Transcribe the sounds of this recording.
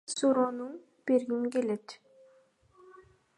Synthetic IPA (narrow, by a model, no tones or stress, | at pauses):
suɾonun | b̥eɾɡimke̞let̪